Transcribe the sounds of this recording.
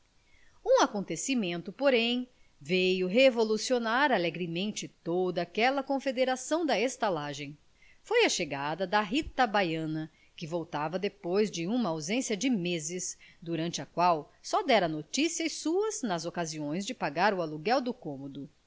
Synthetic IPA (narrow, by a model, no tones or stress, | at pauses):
ũakõnt̪esimẽnt̪ʊpoɾẽj̃ | vejʊɦevolusionaɾaleɡɾimẽnt͡ʃɪt̪od̪ɐːkɛlɐkõfed̪eɾasɐ̃w̃d̪ɐest̪alaʒẽj̃ | fojɐʃeɡad̪ɐd̪ɐɦit̪ɐbajɐ̃nɐ | kɪvowt̪avɐd̪epojzd͡ʒɪũmɐawzẽsiɐd͡ʒɪmezɪsd̪uɾɐ̃nt͡ʃɪɐkwawsɔd̪ɛɾɐnot͡ʃisiɐsuɐznɐzokaziõj̃zd͡ʒɪpaɡaɾʊaluɡɛwd̪ʊkõmod̪ʊ